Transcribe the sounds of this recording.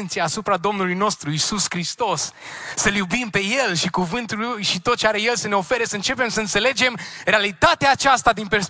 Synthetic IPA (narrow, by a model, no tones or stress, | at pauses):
nt̪sijaːsupɾad̪o̞mnulujno̞st̪ɾuisuskɾist̪o̞sːəljubimpe̞je̞lʃikuvɨnt̪ulujʃit̪o̞t̪̚t͡ʃeaɾe̞je̞lsəne̞o̞fe̞ɾesəɨnt͡ʃe̞pe̞msəɨnt̪se̞le̞d͡ʒe̞mre̞alit̪at̪eaːt͡ʃast̪ad̪inpe̞rs